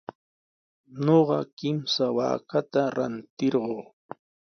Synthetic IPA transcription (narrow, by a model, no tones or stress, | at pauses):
noɢɑkɪmsawa̰ːkat̪aɾa̰nt̪ɪɾɢoː